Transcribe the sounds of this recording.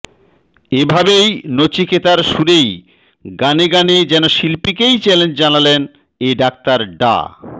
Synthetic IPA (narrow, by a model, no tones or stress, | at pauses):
ebʱabejnot͡ɕikʰet̪aɾʃuɾej | ɡaneɡaned͡ʑɛnoʃilpikejt͡ɕɛlend͡ʑd͡ʑanalen | eɖak̚t̪aɾɖa̰